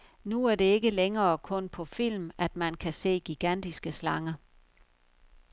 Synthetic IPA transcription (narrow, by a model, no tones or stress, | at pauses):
nuæɐd̥e̝e̝ɡ̥əleŋɐːkʰɔ̽npʰɒ̽fil̰mæd̥mænkʰæse̝̰ːɡ̥iɡ̥æn̰d̥isɡ̥əslɑ̈ŋɐ